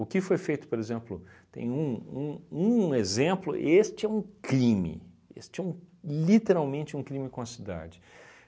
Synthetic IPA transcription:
ʊkɪfojfejt̪ʊ̥poɾezẽmplʊt̪ḛ̃j̃ũũũezẽmplʊ̰ʔest͡ʃɪɛũkɾĩmɪ̰ | ḛst͡ʃɪɛũlit̪eɾawmẽnt͡ʃɪũkɾĩmɪkõɐsid̪a̰d͡ʒɪ

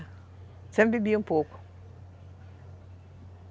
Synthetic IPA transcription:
t͡sɐmbibimpoku̥

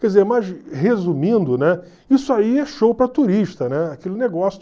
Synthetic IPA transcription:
kɛd͡ʒizeɾmajʃhezumĩnd̪ʊnɛ | isʊaiɛʃowpɾɐt̪uɾiʃt̪ɐnɛakelɪneɡɔsjʊ

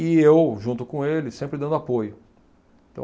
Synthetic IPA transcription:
ɪewʒũnt̪ʊkõelɪsẽmpɾɪd̪ɐ̃nd̪ʊapojʊ | ẽt̪ɐ̰̃

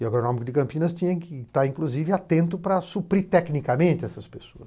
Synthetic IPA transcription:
ɪaɡɾonõmɪkʊd̪ɪkɐ̃mpĩnɐst̪ĩɲɐ̃kɪt̪aɾĩkluzivɪat̪ẽnt̪ʊpɾɐsupɾit̪ɛknikɐmẽnt̪ɪɛsɐspesoɐs

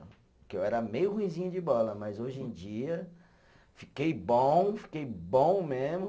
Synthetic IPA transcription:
keewɛɾɐmejʊhũĩzĩɲɐd͡ʒɪbɔlɐmɐjzoʒẽd͡ʒiɐ | fikejbõfi̥kejbõw̃mezmʊ

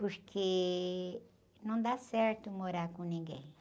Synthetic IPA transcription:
pʊɾkʰe | nɐ̃w̃d̪asɛɾt̪ʊmoɾaɾkõnĩŋɡḛ̃j̃

